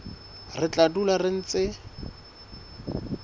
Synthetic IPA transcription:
rɪt͡ɬatularɪn̩t͡sɪ

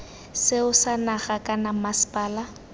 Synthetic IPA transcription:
sɪʊsanaχakʼanamasɪ̥pʼaːla

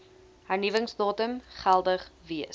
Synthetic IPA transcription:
hærnivəŋsdɑːtəmχælˠdəχviə

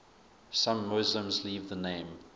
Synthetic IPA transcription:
sãmːʊzlə̃mzliːvðənẽɪ̃m

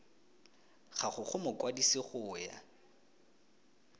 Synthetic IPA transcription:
χaχʊχʊmʊkwadisɪχʊːja̰

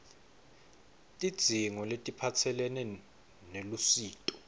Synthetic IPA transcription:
tʼid̥z̥ʱiŋɔletʼipʰat͡sʰɛlɛnɛ | nelusiːtʼɔ̥

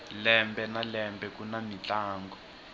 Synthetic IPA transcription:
lɛmbɛnalɛmbɛkunamit͡ɬaːŋɡɔ

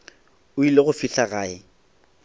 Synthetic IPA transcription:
ʊileɣʊfiɬaɣaːɪ

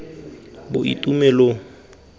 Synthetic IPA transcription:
bʊʔḭtʼumɛlo

